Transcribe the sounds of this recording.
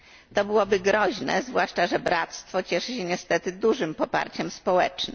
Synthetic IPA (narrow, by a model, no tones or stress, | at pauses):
t̪ɔbɘwɔbɘɡɾɔʑnɛ̰zvwaʂt͡ʂaʐɛbɾat̪st̪fɔt͡ɕɛʂɘɕɛɲɛst̪ɛt̪ɘd̪uʐɘmpɔpa̰ɾt͡ɕɛmspɔwɛt͡ʂnɘ